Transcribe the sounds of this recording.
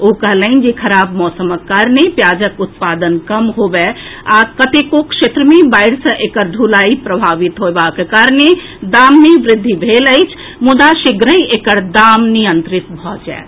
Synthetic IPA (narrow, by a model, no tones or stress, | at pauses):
okəɦləɪnd͡ʒekʰəɾaːbmɔːsəməkːaɾnepjad͡ʒəkut̪pad̪ənkəmɦobɛakət̪ekokʃet̪ɾəmebaɪɽsə̃ʔekəɾd̪ʱulaipɾəbʱaʋit̪ɦoebakekaɾne | d̪amːeʋɾɪd̪ʱːibʱeləɪt͡ʃʰ | mud̪aʃiɡɾəiekəɾd̪amnijənt̪ɾɪt̪bʱɔd͡ʒɛ̰ː